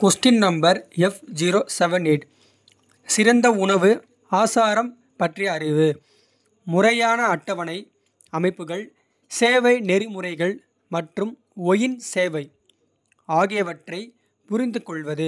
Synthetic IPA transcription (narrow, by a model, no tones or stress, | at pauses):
kɔsʈɪnnɐmbɐɾɛfd͡ʒiɾoːsɛʋɐneʈ | sɪɾɐnd̪ɐʊɳɐʋɯ | aːsaːɾɐm | pɐʈriɐɾɪʋɯ | mʊrɐjaːnɐːʈːɐʋɐnɐɪ | ɐmɐɪpːɯɣɐɭ | seːʋɐɪnɛɾɪmʊrɐɪɣɐɭ | mɐʈrɯm | ɔjɪnseːʋɐɪ | aːɣɪjɐʋɐʈrɐɪ | pʊɾɪnd̪ɯkɔɭʋɐðɯ